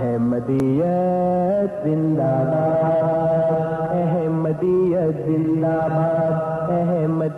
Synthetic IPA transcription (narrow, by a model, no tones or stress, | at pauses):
ɦɛmɐd̪ijɐ | zɪnd̪aːbaː | d̪ | ɛɦɛmɐd̪ijɐzɪ̃nd̪aːbaːd̪ | ɛɦɛmɐ